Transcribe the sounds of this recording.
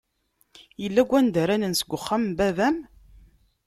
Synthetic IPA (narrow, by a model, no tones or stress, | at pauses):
jəlːæɡʷːænd̪əɾænənsəɡʷːʊχːambævæm